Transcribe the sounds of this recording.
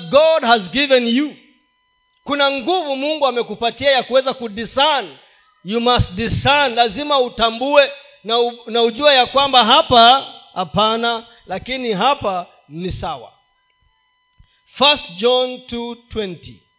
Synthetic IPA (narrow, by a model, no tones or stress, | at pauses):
ɡɔdhazɡivɛ̃nju | kunaŋɡuvumuŋɡuamɛkupatiajakuwɛzakudisan | jumastdisanlazimautambuɛ | nanauʄuajakwambaɦapahapana | lakiniɦapa | nisawa̰ | fastd͡ʒɔntutwɛnti